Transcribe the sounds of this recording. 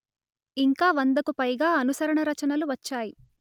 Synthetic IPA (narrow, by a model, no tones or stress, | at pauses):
iŋkaːʋɐnd̪ɐkupɐjɡaːɐnusɐɾɐɳɐɾɐt͡ʃɐnɐluʋɐt͡ʃːaːji